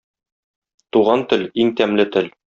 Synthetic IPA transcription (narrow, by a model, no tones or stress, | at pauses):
t̪uʁɑnt̪ɵ̆liŋt̪æmlɘt̪ɘ̆l